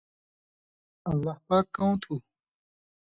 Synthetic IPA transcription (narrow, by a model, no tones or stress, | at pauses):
ɐlːaːhpaːkːawõt̪ʰu